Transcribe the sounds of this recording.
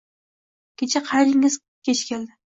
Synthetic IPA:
kʲet͡ʃʰɛqʰɑjɾɪŋɪz̥ | kʲʰet͡ʃʰkʲʰeld̪ɪ

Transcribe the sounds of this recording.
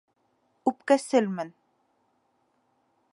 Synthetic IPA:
ʉpkæsɘlmɘn

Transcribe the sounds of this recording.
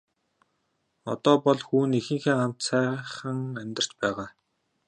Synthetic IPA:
ɔ̰t̪ɔːpɔɮxuːnixɘ̆ŋxeːam̥t̪sæːχə̆ŋæmʲt̪ə̆r̥t͡ɕpæːʁaː

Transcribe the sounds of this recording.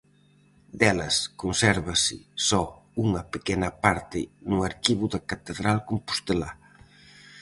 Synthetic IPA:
d̪ɛlɐskonsɛɾβɐsɪ̰sɔuŋɐpekɛnɐpaɾt̪ɪnuaɾkiβʊðɐkat̪eðɾalkompu̥st̪ela

